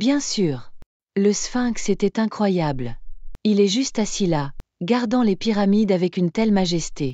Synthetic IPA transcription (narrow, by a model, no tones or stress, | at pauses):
bjɛ̃syːʁ | ləsfɛ̃kset̪ɛt̪ɛ̃kχwajablilɛʒyst̪asila | ɡaʁd̪ɑ̃lepiʁamid̪avɛkynt̪ɛlmaʒɛst̪e